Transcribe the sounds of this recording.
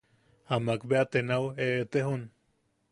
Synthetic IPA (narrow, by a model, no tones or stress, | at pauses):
amakbeat̪enaweet̪eɦun